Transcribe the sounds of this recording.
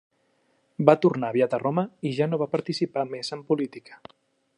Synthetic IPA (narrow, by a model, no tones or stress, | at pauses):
bat̪uɾnaβjat̪əroməiʒanoβ̞apəɾt̪isipamezəmpulit̪ikə̥